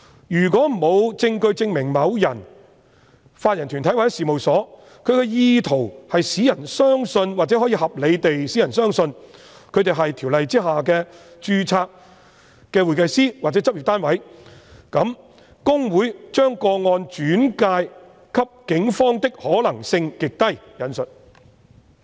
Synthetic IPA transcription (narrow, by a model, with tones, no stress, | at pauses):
jyː˨˩kwɔː˨˥m̩˨˩mo˨˧wt͡sɪ˧ŋkɵ˧ɥt͡sɪ˧ŋmɪ˨˩ŋmɐ˨˧wjɐ˨˩n | faː˧t̚jɐ˨˩nt̪ʰy˨nt̪ʰɐ˨˥jwa˨˥jɛ˦˥siː˨mo˨wsɔː˨˥ | kʰɵ˨˧ɥkɛ˧jiː˧t̪ʰo˨˩whɐ˨jsiː˨˥jɐ˨˩nsœː˥ŋsɵ˧nwaː˨k̚t͡sɛ˨˥hɔː˨˥jiː˨˧hɐ˨p̚le˨˧jt̪e˨jsiː˨˥jɐ˨˩nsœː˥ŋsɵ˧n | kʰɵ˨˧t̪e˨jɦɐ˨jt̪ʰi˨˩wlɐ˨jt͡siː˥ɦaː˨kɛː˧t͡ʃyː˧t͡sʰaː˧k̚ | kːɛː˧wu˨˩jkɐ˧jsiː˥wa˨t͡sɛː˨˥t͡sɐ˥p̚ji˨˩t̪aː˥nwɐ˨˥jkɐ˨˧˥m | kʊ˥ŋwuː˨˥jt͡ʃœː˥ŋkɔː˧ŋɔː˧nt͡ʃyː˨˥nkaː˧j | kʰɐ˥p̚kɪ˨˥ŋfɔː˥ŋt̪ɪ˥k̚hɔː˨˥lɐ˨˩ŋsɪ˧ŋkɪ˨k̚t̪ɐ˥jjɐ˨˧nsɵ˨t̚